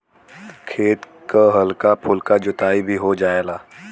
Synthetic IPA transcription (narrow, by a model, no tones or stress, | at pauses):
kʰeːt̪ | kəɦɐlkapʰʊlkad͡ʒʊt̪aːibʱiɦod͡ʒaːeːlaː